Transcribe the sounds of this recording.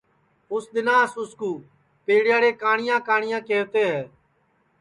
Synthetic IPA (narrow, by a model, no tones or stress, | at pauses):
ʊsd̪ɪnaːsʊskuː | peːɽɪjaːɽeːkaːɳɪjãːkaːɳɪjãːkeːʋt̪eːɦɛː